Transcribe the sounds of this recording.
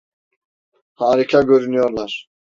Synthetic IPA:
haːɾikʰaɟøɾynyjoɾlˠaɾ̥

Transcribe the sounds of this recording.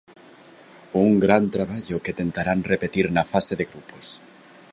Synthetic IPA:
uŋɡɾant̪ɾaβ̞aʎoket̪ent̪aɾanrepet̪iɾnafaseðeɣɾupos

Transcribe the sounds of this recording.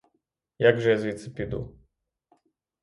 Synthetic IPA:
jaɡʐɛjazvʲit̪sɨpʲid̪ṵ

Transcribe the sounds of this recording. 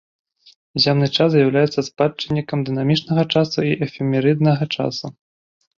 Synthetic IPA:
zʲamnɨt͡ʂaszʲjawlʲajɛt̪sɐspat͡ʂːɨnʲːikɐmd̪ɨnamʲit͡ʂnɐɣɐt͡ʂasuiʔɛfʲɛmʲɛɾɨd̪nɐɣɐt͡ʂa̰su

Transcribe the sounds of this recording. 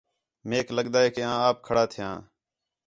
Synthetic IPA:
meːkləɠd̪aːeːkeãːaːp̚kʰəɽaːt̪ʰɪjã̰ː

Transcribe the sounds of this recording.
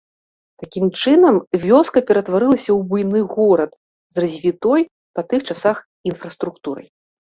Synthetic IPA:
t̪akʲimt͡ʂɨnɐmvʲɔskɐpʲɛɾɐt̪vaɾɨlˠɐsʲɐwbujnɨɣɔɾɐt̪ | zrɐzʲvʲit̪ɔj | pɐt̪ɨxt͡ʂasax | infɾɐst̪ɾukt̪uɾɐ̰j

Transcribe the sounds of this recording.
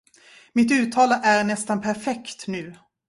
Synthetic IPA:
mɪt̪̬ʉ̟ːt̪ʰːɑːlaʔæɾnɛst̪anpʰæɾfɛkt̪nʉ̟ː

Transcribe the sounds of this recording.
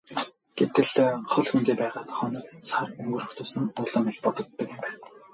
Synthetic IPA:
ɡ̥et̪ɘ̆ɮχɔɮxunt̪eːpæːʁaːt̪χɔnɞ̆ːksʰarɵŋɡɵ̆ɾɵ̆xt̪ʰʊːsɵ̆ŋʊɮɞ̆mixpɔt̪ɞ̆t̪ːɞ̆kɪ̆mpæːn

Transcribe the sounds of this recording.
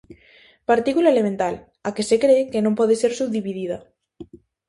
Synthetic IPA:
paɾt̪ikulaelemẽnt̪al | akesekɾeːkenõmpɔðeseɾsub̚d̪iβiðiða

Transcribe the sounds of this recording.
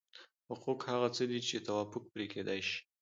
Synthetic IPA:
hʊquqhaɣat͡səd̪it͡ʃet̪awafʊk̚pɾekʰed̪ajʃi̥

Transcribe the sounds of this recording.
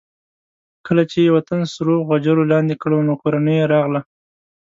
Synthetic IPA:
kəlat͡ʃewat̪ansɾoɣwad͡ʒaɾolɑnd̪ekɽanokoɾanəjeɾɑɣla

